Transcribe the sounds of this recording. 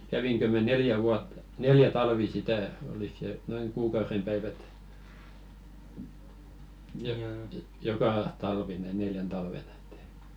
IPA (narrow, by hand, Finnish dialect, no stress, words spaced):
kæʋiŋkø mæ neljæ ʋuɑtːɑ̥ neljæ tɑlʋi sitæ olik se noiŋ kuːkɑurem pæiʋæt jo jokɑ tɑlʋi ne neljæn tɑlʋen e̥t te̥i̥